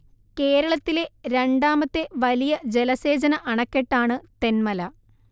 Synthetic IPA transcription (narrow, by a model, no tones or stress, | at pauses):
ke̞ːɾɐɭɐt̪ːile̞ɾe̞ɳɖaːmɐt̪ːeʋɐlijɐd͡ʑe̞lɐse̞ːd͡ʑɐnɐʔɐɳɐkːeʈːaːɳɨt̪e̞nmɐlɐ